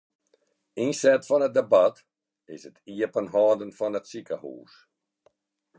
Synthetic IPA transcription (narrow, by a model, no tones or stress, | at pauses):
insɛtfɔnət̚debat | ɪsətiəpənɦɔːdənfɔnətsikahṵːs